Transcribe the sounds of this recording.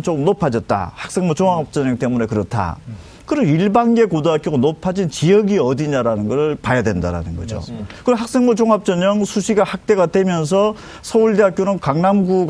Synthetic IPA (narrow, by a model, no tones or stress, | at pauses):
t͡ɕokɯmnopʰad͡ʑʌt̚t͈a̰hak̚s͈e̞ŋmot͡ɕoŋap̚t͡ɕ͈ʌɲʌŋt͈e̞mune̞kɯɾʌtʰa̰ | kɯɾʌiɭbaŋɡe̞kodoɦakjoɡanopʰad͡ʑint͡ɕijʌɡiʌdiɲaɾanɯnɡʌɾɯɭpajadwe̞ndaɾa̰nɯnɡʌ̰d͡ʑo̰kɯɾʌɦak̚s͈e̞ŋmot͡ɕoŋap̚t͡ɕ͈ʌɲʌŋsʰuɕʰiɡahak̚t͈e̞ɡadwe̞mjʌns̬ʰʌ | sʰʌuɭdeɦak͈jonɯnkaŋnamɡu